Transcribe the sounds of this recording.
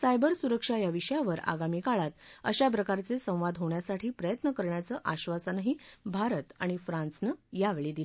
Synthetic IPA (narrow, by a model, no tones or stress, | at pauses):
sajbəɾsuɾəkʂajaʋiɕəjaʋəɾa̰ɡamiːkaɭat̪ə̰ɕap̬ɾəkaɾt͡sesə̃w̃ʋad̪ɦoɳjasaʈʰiːpɾəjət̪nəkəɾɳjat͡səːʔaɕʋasanaɦiːbʱaɾət̪aɽ̃ifɾãnsnəjaʋeɭiːd̪ile